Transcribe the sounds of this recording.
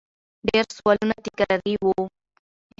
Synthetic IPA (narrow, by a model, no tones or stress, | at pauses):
ɖeɾsuwalunat̪ikaɾaɾiwo